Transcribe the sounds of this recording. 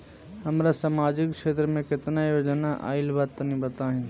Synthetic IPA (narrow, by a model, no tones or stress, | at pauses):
hɐmɾasaːmaːd͡ʒɪkʃeːt̪ɾəmẽkɪt̪najoːd͡ʒənaʔa̰ːɪlbaːt̪ːənĩbɐt̪aɦɪ̃n